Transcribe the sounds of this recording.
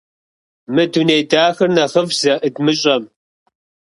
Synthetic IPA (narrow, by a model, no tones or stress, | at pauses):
mɨduneːdaːxɨrnɐχəvsɐʔɨd̪mɨɕʼɐm